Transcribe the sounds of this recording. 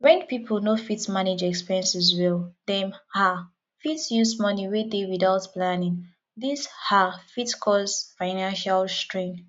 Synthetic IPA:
wɛ̃npipʰl̩ˠnofitsmaned͡ʒɛkspiɹiɛ̃nsɛzwɛlˠðɛ̃mha | fitsjusmʌniwedewiðaʊtplanĩŋ | ðishafitskʰɔsfaɪnãnʃalstɹẽn

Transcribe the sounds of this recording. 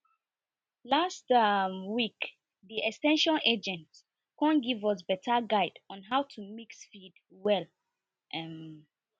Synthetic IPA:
lastwik | ðiɛkstɛ̃nʃɔ̃ned͡ʒɛ̃nt | kɔ̃nɡivʌsbɛtʰəɡaɪdɔ̃nɦaʊtʰumiksfid | wɛl | ʔɛm

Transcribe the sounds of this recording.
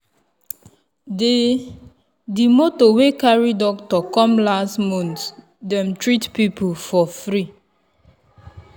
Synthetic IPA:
de | dimotowekaɹidɔk̚tɔkɔ̃mlastmɔ̃nt | dɛ̃mtɹitpipʰulfɔfɾi

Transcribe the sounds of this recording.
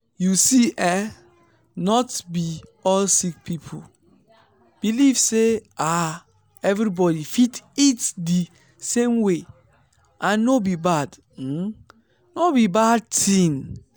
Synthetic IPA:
jusiʔɛ | nɔtbiɔlsik̚pʰipʰul | b̥ilivsea | ɛvɾibɔdifititdi | sẽmwe | ʔãnnobibad̩ | nobibad̚tʰĩn

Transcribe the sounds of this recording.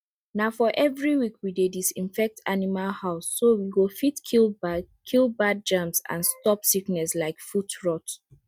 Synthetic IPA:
naʊfɔʔɛvɹiwikʰwidedisĩnfɛk̚tʰanimalhaʊsːowiwofitkʰil | kʰilˠbad̚d͡ʒãmsã̰nstɔpsiknɛslaɪkfutɹɔt

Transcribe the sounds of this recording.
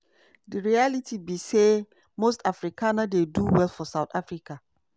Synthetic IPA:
dəɹialitʰibise | mostafɹikʰanadeduwɛlˠfɔsaʊtʰafɹika

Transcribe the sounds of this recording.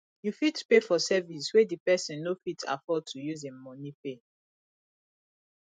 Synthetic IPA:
jufitpefɔsɛviswedipɛsɔ̃nːofitʰa̰fɔd̚tʰujuzemɔ̃nipe

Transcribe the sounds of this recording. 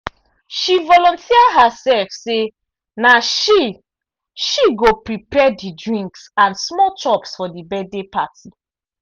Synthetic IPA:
ʃivɔlɔ̃ntʰiadɦasɛlfse | naʃi | ʃiɡopɹipɛdidɹĩŋksãnsmɔtɔpsfɔdibɛdepati

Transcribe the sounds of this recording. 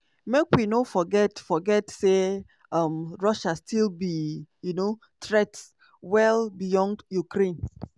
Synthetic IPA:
mekwinofɔɡɛtfɔɡɛtse | ʌmɹɔʃastʰilbijuno | tɹɛts | wɛlˠbijɔ̃ndjukɾẽn

